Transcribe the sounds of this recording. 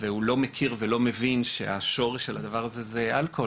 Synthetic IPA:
vehulo̞mekʰiʁvelo̞me̞vinʃeaʃo̞ʁeʃalad̪avaʁazezealkʰo̞

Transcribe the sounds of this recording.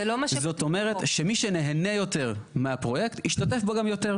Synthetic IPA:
lomazo̞t̪o̞me̞ʁet̪ʃemiʃeneɦene̞jo̞te̞ʁmeapʁo̞je̞ktiʃtate̞fbo̞ɡamjo̞te̞ʁ

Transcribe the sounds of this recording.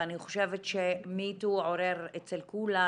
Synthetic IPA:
aniχoʃevetʃemituoɾeʁet͡selkula

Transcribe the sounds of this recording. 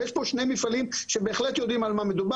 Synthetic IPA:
eʃpo̞ʃnejmifalimʃebeːχlet̪jo̞d̪imalmame̞d̪uba

